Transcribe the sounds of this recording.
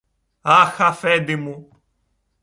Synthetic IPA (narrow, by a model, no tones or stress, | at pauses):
axafɛd̪ɪmũ